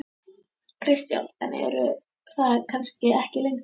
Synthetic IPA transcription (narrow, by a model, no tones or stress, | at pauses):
kʰɾɪst̪ja̰wnθa̰n̰ɛ̰ɾʏ | θaðkʰanscɪɛhcɪlejŋk